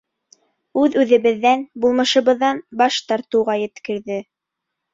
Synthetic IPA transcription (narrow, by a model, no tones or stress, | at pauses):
ʉðʉðɘ̆βɘ̆ðːænbulˠmɤ̆ʃɤ̆βɤ̆ðːɑnbɑʃt̪ɑɾt̪ɤ̆wʁɑjɘ̆t̪kɘ̆ɾðɘ